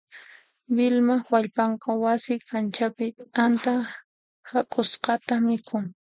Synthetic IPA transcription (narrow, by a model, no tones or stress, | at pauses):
bɪlmawaʎpɑɴqɑwasɪkʰant͡ʃapɪant̪a | hakʼʊsqɑt̪amɪkʰʊŋ